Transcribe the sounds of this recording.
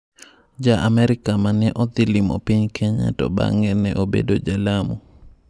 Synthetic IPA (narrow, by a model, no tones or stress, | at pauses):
d͡ʒaʔamɛɾɪkamanɛʔɔt̪ɪlimɔ̰piɲkʰɛɲa̰tɔ̰ba̰ŋɛnɛʔobḛdod͡ʒalamo